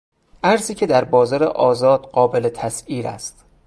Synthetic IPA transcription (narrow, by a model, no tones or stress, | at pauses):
ʔæɾziːcʰe̞d̪æɾbɒːzɒːɾḛʔɒːzɒːd̪̥ɢɒːbe̞le̞t̪ʰæsiːɾæ̰st̪